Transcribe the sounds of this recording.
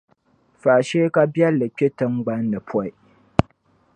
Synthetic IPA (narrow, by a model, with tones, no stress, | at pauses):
faː˨ʃeː˦ka˦bɛ˦lːɨ˨k͡pʲe˦tɨ˦ŋɡ͡ba˦nːɨ˨pʰɔ˦˨ɪ˨